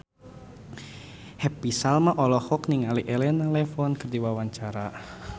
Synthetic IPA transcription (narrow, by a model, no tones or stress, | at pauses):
hɛpisalmaʔɔlɔhɔkniŋaliʔɛlɛnalɛfɔnkərdiwawaɲt͡ʃaɾa